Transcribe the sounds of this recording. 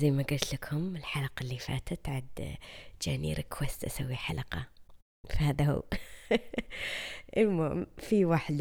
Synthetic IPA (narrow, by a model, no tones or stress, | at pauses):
zajːmaɡʊlt̪lakʰʊmɪlħalaqɑlːifa̰ːt̪ʰat̪ʕad̪d͡ʒaːnḭːɾɪkʰwast̪ʔa̰sawːiħa̰laqɑ | fahaːðahṵː | ʔɪmamfiwaːħd̪